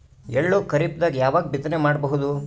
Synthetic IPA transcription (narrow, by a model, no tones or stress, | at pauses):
ɛɭːoːkɐɾip̚d̪aːɡjaːʋaːɡ̚bit̪ːɐnemaːɽbɐɦud̪u